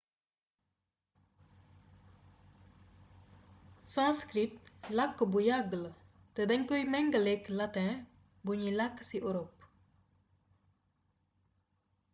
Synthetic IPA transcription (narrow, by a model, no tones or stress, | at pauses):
sɑmskɾɪt̪lakobujɑɡl | t̪əd̪ɛŋkœʏmɛŋɡəleklat̪ɛ̃ | buɲilaksiːʔoɾɔp